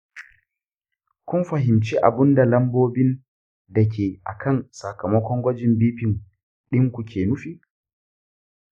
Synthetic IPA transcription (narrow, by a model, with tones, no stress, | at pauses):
kʷʊ˦nɸɐ˨ɦɪ˨mt͡ʃi˦ʔa̰˨bɪ˦nda˨lɐ˦mboː˦bɪ˦n | dɐ˨k̬ʲʰeː˨ʔa̰˨kʰɐ˦˨nsɐ˨kɐ˨mɐ˦kʷɔ˦ŋɡʷɐ˦d͡ʒɪ˨mbiː˦ɸɪ˨ŋ | ɗɪ˦ŋkʷu˨kʰʲeː˨nʊ˦ɸiː˦